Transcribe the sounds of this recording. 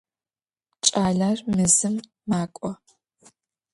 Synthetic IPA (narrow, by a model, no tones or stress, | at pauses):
t͡ʃʼaːɮarmɨzɨmː | aːkʷʼɔ